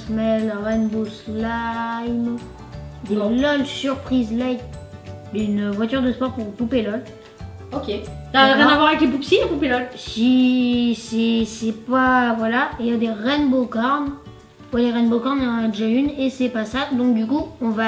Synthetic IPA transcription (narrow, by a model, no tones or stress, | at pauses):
smɛlʁɛnboslajm | d̪elɔlsyʁpχizlajt̪ | ynvwat̪yʁd̪əspɔʁpuʁpupelɔl | okʲeavãavwaʁaɛklepupsiãpupelɔlsisɛsɛpavwalajad̪eʁɛnbokaʁn | wɛleʁɛnbokaʁnɔ̃nad̪eʒaynesɛpasad̪ɔ̃k̚d̪ykuɔ̃va